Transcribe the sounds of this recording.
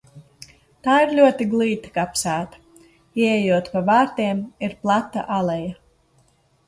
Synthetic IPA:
t̪aːiɾlʲuɔt̪iɡlˠiːt̪ḁkapsæːt̪ḁ | iɛɛjuɔt̪pavaːɾt̪eɛmiɾplˠat̪ːa̰ʔalˠɛja

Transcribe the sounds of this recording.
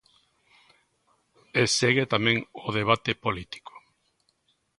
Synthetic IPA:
eseɣet̪amẽŋʊðeβ̞at̪epolit̪i̥ko̥

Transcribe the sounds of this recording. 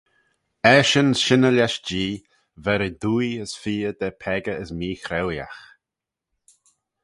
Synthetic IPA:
ɛʃənʃɪnəlaʃd͡ʒiː | vɛɾəd̪uːjəsfiːəd̪ɛpʰɛɡəəsmiːxɾɛwja̰x

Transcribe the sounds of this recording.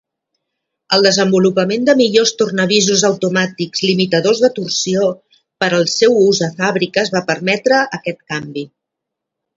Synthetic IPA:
əlˠd̪əzəmbulupəmend̪əmiʎost̪urnəβizuzəwt̪umat̪ikzlimit̪əðozðət̪ursio | pəɾəlˠsɛwuzðəfaβɾikəːzβapəɾmɛt̪ɾəəkɛt̪kambi

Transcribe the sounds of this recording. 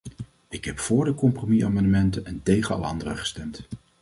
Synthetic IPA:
ɪkɦɛpfʊːɹdəkɔmpromiaːmɑndəmɛntənɛntejχənɑ̰lɑ̰ndərəχə̥stɛmt

